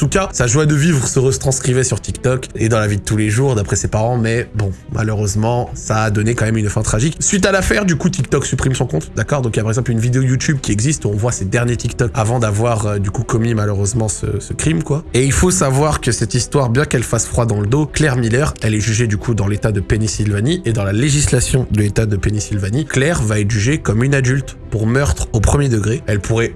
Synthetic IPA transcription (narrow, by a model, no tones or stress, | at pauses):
t̪ukasaʒwad̪əvivʁəsəʁət̪χɑ̃skχivɛsyʁt̪ikt̪ɔked̪ɑ̃lavid̪ət̪uleʒuʁd̪apχɛsepaʁɑ̃mɛbɔ̃mʔa̰løʁøzmɑ̃saːd̪ɔnekɑ̃mɛmynfɛ̃t̪χaʒiksɥit̪̬alafɛʁd̪ykut̪ʰik̚t̪ɔksypχimsɔ̃kɔ̃t̪d̪akɔʁd̪ɔ̃kljapaʁɛɡzɑ̃plynvid̪eojut̪ʰyb̚kʲiɛɡzist̪uɔ̃vwased̪ɛʁnjet̪ikt̪ɔkavɑ̃d̪avwaʁød̪ykukɔmimaløʁøzmɑ̃sə̰səkχimkwaeilfosavwaʁkəsɛt̪ist̪waʁbjɛ̃kɛlfasfχwad̪ɑ̃ləd̪oklɛʁmilœʁɛlɛʒyʒed̪ykʰud̪ɑ̃let̪ad̪əpenisilvaniʔed̪ɑ̃laleʒislasjɔ̃d̪əlet̪ad̪əpenisilvaniklɛʁvaɛt̪ʒyʒekɔmynad̪ylt̪ | puʁmœʁt̪χopχəmjed̪əɡʁeɛlpʰuʁɛ